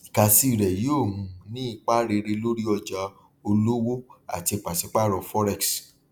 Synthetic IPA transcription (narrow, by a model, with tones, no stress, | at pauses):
i˨ka˨si˦˨ɾɛ˨jo˦˨ũ˧nĩ˦i˦˧k͡pa˦ɾe˧ɾe˧lo˦ɾi˦ɔ˧d͡ʒa˧ | o˧lo˦wo˦a̰˨ti˧˨k͡pa˨si˨˦k͡pa˦ɾɔ˧fɔ˦ɾɛ˦˨ks